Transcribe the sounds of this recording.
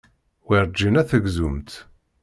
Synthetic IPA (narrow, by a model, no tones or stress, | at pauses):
wiɾˤd͡ʒːinæθəɡzumt̪